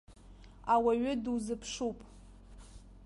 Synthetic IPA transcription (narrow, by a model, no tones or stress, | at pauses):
awaɥʏdwuzɨpʰʂupʼ